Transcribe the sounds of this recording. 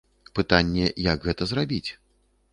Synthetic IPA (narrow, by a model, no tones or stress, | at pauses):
pɨt̪anʲːɛjɐɡɣɛt̪ɐzrabʲit͡sʲ